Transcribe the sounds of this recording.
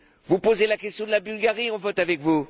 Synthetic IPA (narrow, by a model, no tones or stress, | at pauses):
vupozelakʲɛst̪jɔ̃d̪əlabylɡaʁiɔ̃vɔt̪avɛkvu